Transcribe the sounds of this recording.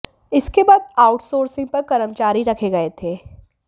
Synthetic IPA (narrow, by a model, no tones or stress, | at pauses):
ɪskebaːd̪aːʊʈsoːɾsɪ̃ŋɡ̚pɐɾkɐɾəmt͡ʃaːɾiɾɐkʰeɡɐet̪ʰeː